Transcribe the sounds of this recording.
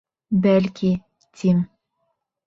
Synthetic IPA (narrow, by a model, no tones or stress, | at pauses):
bælʲkʲʰi | t̪ʰim